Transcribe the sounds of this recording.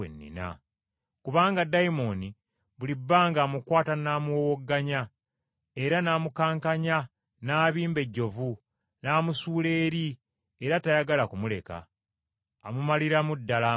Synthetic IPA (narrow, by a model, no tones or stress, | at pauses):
ḛnːḭna̰ | kuβaːŋɡadaimo̞ni | βulibːaːŋɡaːmukwaːtanaːmuwowoɡːaɲa | eɾanaːmukaːŋkaɲa | naːβiːmbe̞ɟːo̞vu | naːmusuːle̞ːɾi | eɾatajaɡalakumule̞ka̰ː | mumaliɾamudːala